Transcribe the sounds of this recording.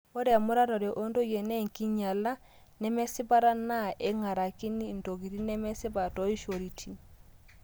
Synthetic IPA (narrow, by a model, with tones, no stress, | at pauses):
o˦ɾɛ˨a˨mʊ˦ɾa˦ɾɔ˨ɾe˨ʔo˦ndo˦jɛ˨nɛ˦ŋki˦ɲa˨la˦ | nɛ˦mɛ˦sɪ˦pa˦ɾa˦na˦ʔɛ˦ŋa˨ɾa˨ki˦ni˦˨ndo˨ɣi˨ɾi˦nɛ˦mɛ˦sɪ˦ba˨tɔ˦i˦ʃo˨ɾi˨tʰi˨